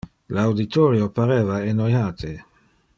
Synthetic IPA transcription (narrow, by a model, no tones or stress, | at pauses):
lawd̪it̪ʰɔːɾjopaɾeːvaenojhaːt̪ʰe